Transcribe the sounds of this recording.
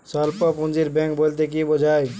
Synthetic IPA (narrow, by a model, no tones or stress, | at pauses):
saːlpopʊnziɾbɛ̃ːŋkboːlt̪̬ek̬ibod͡ʒʱaːe